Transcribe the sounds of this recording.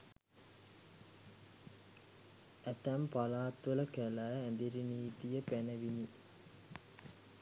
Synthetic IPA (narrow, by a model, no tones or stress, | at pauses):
æt̪æmpalaːt̪ʋələkəlæænd̪iɾiniːt̪ijəpænəʋini